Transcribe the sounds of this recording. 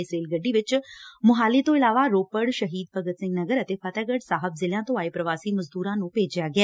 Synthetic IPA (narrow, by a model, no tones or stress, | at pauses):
ɪsɾeːlɡəɖːiʋɪt͡ʃmʊɦaːlit̪oɪlaːʋaɾoːpəɽʃɐɦiːd̪̚pɐɡət̪sɪ̃ŋɡnɐɡəɾɐt̪eːfaːt̪aːɡəɽsaːɦəbzɪljãt̪oaːepɾɐʋaːsimɐzd̪uːɾãnũpeːd͡ʒjaɡjaː